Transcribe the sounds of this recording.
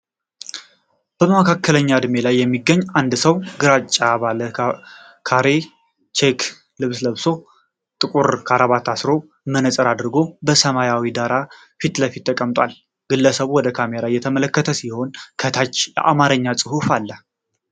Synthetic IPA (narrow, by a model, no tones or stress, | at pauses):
b̥əmakʰakːələɲːad̪me̞lajːɛmːiɡːəɲːand̪səwɡɨɾat͡ʃʼːaβalə | kʰaɾe | t͡ʃʰekʰ | lɨβsləβso̞ | t̪ʼɨkʼuɾkʰaɾaβat̪ʰasɾo̞ | mənəsʼəɾad̪ɾɡo̞bəsəmajawid̪aɾa | fit̪ləfit̪ːəkʼəmt̪ʼa̰l | ɡ̥ɨlːəsəβuwɔd̪əkʰameɾajɛt̪ʰəmələkːət̪ʰəsiho̞nkʰət̪ʰat͡ʃːjɛ̰ʔa̰maɾəɲːasʼɨhufalːə